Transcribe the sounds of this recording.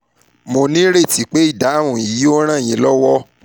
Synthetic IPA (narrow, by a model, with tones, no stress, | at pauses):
mo˧nĩ˦ɾe˦˨ti˨˦k͡pe˦i˦˨da˨˦˨w̃ũ˨i˨˦jo˦ɾ̃ã˦˨j̃ĩ˨˦lɔ˦wɔ˦